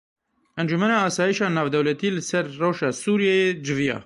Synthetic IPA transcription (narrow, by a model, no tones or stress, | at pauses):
ʔɛnd͡ʒumɛnɑːɑːsɑːjiʃɑːnɑːvd̪ɛwlɛt̪iːlɨsɛɾːowʃɑːsuːɾijɛjed͡ʒɨvijɑ̰ː